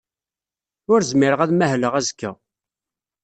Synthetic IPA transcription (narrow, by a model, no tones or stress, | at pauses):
ʊɾzmɪɾəʁæðmæhləʁæzkːæ